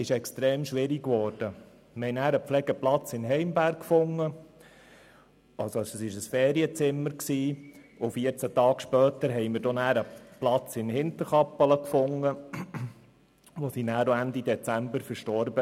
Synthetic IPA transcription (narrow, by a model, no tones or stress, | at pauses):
ɪʃɛkst̪ɾeːmʃʋɪɾikʋɔːɾd̥ə | mhɛɪnæːɾəpflɛɡəplɑt͡sɪnɦɛɪmbæɾkkfʊŋːə | ɑlsɔsəsɪʃəsfɛːɾiət͡sɪmːəɾksiː | ʊfiəɾt͡sæt̪ɑːkʃpœːt̪əɾɦɛɪmɪɾdonæːɾəplɑt͡sɪnhɪnt̪əɾχɑpːələkfʊŋːə | ʋosinæːɾoænd̪id̪ɛt͡sæmbəɾfəɾʃtɔɾbə